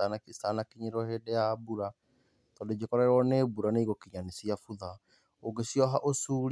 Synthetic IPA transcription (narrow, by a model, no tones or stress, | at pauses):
anakistanakiɲeɾɔhedɛjabuɾa | tɔded͡ʒekɔɾaɾwɔnebuɾaneiɣokiɲanesiafuða | oɡesiɔɦaʔosuɾ